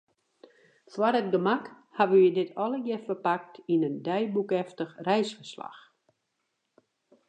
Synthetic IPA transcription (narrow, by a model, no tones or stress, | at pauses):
fwaɾətɡəmak | haʋəjədɪtʰɔləjɪfərpak̚tʰinəndɛjbukɛftəxrɛjsfərsla̰x